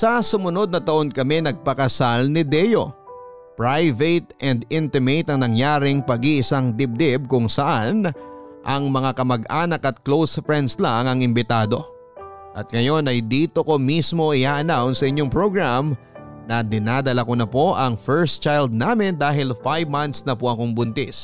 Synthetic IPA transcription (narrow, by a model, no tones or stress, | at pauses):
sɐsʊmʊno̞d̪̚nɐt̪ɐʔo̞nkɐmɛnɐɡ̚pɐkɐsalnɪd̪ɛjo̞̰ | pɹajvet̪̚ɛnd̪ɪnt̪ɪmejt̪ɐŋnɐŋjaːɾɪŋpɐɡiʔɪsaŋd̪ɪb̚d̪ɪb̚kʊŋsɐʔanʔɐŋmɐŋakɐmɐɡʔaːnɐkɐt̪̚klowsfɹɛnd̪slaŋɐŋɪmbɪt̪aːd̪o̞ | ʔɐt̪̚ŋɐjo̞nɐjd̪iːt̪o̞ko̞mismo̞ʔɪʔaːʔɐnawnsɐʔɪɲːoŋpɹoɡɹam | nɐd̪ɪnaːd̪ɐlɐko̞nɐpo̞ʔɐŋfɛɹst̪t͡ʃajld̪̚naːmɪnd̪aːɦɪlfajvmant̪snɐpoʔɐko̞ŋbʊnt̪ɪ̰s